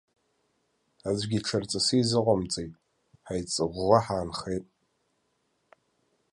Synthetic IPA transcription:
azʷɡʲiʈ͡ʂʰart͡sʼasizɨqʷamt͡sʼejtʼ | ħajt͡sʼɨʁʷːaħaːnχejtʼ

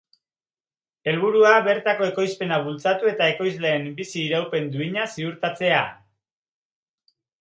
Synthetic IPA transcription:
e̞lβ̞uɾuaβe̞ɾt̪ako̞e̞ko̞jspe̞naβult͡sat̪ue̞t̪ae̞ko̞jzle̞ːmbisiːɾawpe̞nd̪uiɲasiuɾt̪at͡se̞a

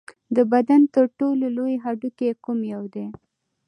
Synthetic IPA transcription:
d̪əbad̪ant̪əɾʈololojeɦaɖukekumjawd̪e

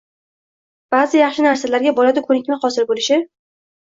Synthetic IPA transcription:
b̥aːzɪjɑχʃɪnaɾsalaɾɡʲabɒlad̪ʊkʰɵnɪkʲmaχɒsɪɾbolɪʃɪ

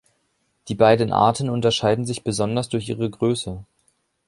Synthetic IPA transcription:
d̥iːbaɪdn̩ʔa̰ɐtn̩ʊntɐʃaɪdn̩zɪçb̥əzɔndɐsd̥ʊɐç̬ʔḭːʁ̞əɡʁøːsə

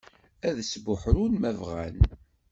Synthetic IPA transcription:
æðsbʊħɾunmævʁæ̰n

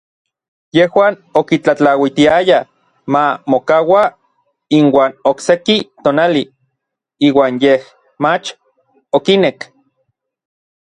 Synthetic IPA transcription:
jehwaːn | okit͡ɬat͡ɬawit̪iaja | mamokawa | inwaːnoksekit̪oːnali | iːwaːnjeh | mat͡ʃ | okinek

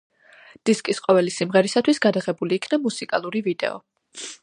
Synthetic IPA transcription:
d̪̥iskʼisqʼɔvɛlisimʁɛɾisat̪ʰwisɡad̪aʁɛbuliːkʰnamusikʼalˠuɾivid̪ɛ̰ɔ̰

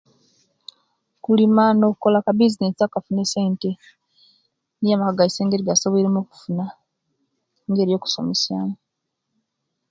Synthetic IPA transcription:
kulimano̞kuko̞lakabizinesiakafune̞se̞ːnte | nijamakaɡaiseːŋɡeɾiɡasoβeɾemoːku̥funa | ŋɡe̞ːɾijo̞ːku̥so̞̰mesjaːno

